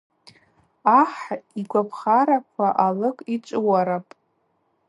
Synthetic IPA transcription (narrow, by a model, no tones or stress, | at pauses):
aħiɡʷapʰχaɾakʷʰaʔalɨkʼit͡ʃʷʼɨwaɾapʼ